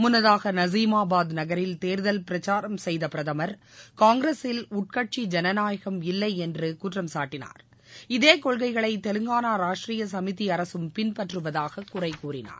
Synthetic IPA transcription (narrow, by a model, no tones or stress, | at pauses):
mʊnɐðaːɣɐnɐziːmaːbaːd̪nɐɣɐɾɪlt̪eːɾðɐlpɪɾɐt͡ʃaːɾɐmsɛjðɐpɪɾɐðɐmɐɾ | kaːŋɡɾeːsɪlʊʈ̚kɐʈ̚t͡ʃid͡ʒɛnɐnaːjɐɣɐmɪlːɐɪɛndrɯkʊʈrɐmsaːʈːɪna̰ːɾ | ɪðeːkɔɭɣɐɪɣɐɭɐɪt̪ɛlɯŋɡaːnaːɾaːʂʈriːjɐsɐmɪt̪iɐɾɐsɯmpɪnpɐʈrɯʋɐðaːɣɐkʊrɐɪkːuːrɪna̰ːɾ